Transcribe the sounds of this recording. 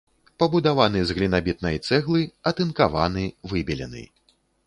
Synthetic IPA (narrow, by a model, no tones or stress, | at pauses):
pɐbud̪avanɨzɣlʲinabʲit̪̚nɐjt̪sɛɣlˠɨɐt̪ɨnkavanɨvɨbʲɛlʲɛ̰nɨ̰